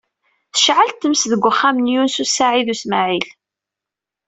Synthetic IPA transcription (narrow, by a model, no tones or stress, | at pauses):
θə̥ʃʕalt̪ːəmsðəɡʷːəχːamənjunsusaʕiðusmaʕil